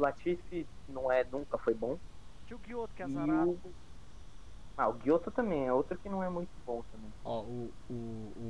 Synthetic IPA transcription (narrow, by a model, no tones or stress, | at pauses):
lat͡ʃisinɐ̃w̃ɛnũkɐfojbõ | t͡ʃipʊɡiot̪ʊkɛzaɾ | maʊɡiot̪ʊt̪ɐ̃mbẽj̃ɛowt̪ɾʊkɪnɐ̃w̃ɛmũj̃t̪ʊbõt̪ɐ̃mẽj̃ɔʊ